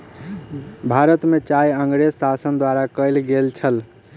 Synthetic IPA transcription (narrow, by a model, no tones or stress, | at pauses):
bʱaɾət̪met͡ʃajəŋɡɾezsasənd̪waɾakəlɡelt͡ʃʰəl